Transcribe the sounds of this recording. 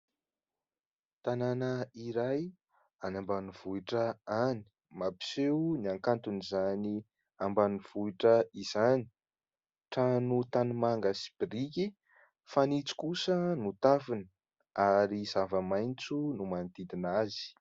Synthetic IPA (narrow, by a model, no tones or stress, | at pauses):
t̪ananəiɾaj | anambaniv̥uiʈ͡ʂəani̥ | mapi̥sewniaŋkant̪unizani | ambaniv̥uiʈ͡ʂəiz̥ani̥ | ʈ͡ʂanut̪anumaŋɡəsi̥b̥iɾiki | fanit͡si̥kusənut̪avinə | aɾiz̥avəmajnt͡sunumant̪id̪inazi̥